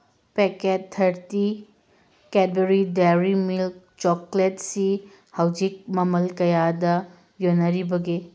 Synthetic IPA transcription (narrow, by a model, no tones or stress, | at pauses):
pekettʰːɐɾti | ked̚beɾideɾimilk̚ | t͡ʃɔkletsi | hɐwd͡ʒik̚mɐmɐlkɐjadɐ | jonːɐɾibɐɡi